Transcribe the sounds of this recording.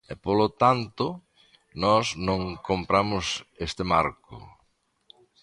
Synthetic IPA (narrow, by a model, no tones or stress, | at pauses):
ɛpolot̪ant̪ʊ | nɔsnõŋkompɾamʊsest̪ɪmaɾkʊ̰